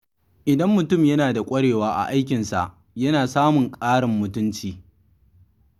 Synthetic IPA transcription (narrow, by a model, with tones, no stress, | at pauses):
ʔɪ˨dɐ˦mːʊ˨tʊ˦˨mjɐ˦naː˨da˨kʷʼɐ˦ɽeː˨waː˦ʔa̰˨ʔa˦jk̬ʲɪ˨nsa̰˨ʔ | jɐ˦naː˨saː˦mʊ˨ŋkʼaː˦ɽɪ˨mːʊ˨tʊ˦nt͡ʃiː˨